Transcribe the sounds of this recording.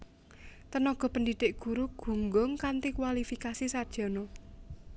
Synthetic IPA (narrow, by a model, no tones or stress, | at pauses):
t̪ənɔɡ̥ɔ̤pəndiɖ̪̥ɪʔɡ̥uɾuɡ̥ṳŋɡʊŋkant̪ikwalifikasisad̥ʒ̥ɔ̤no